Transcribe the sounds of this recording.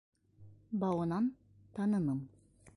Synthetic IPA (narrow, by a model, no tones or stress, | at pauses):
bɑwɤnɑn | t̪ɑnɤnɯm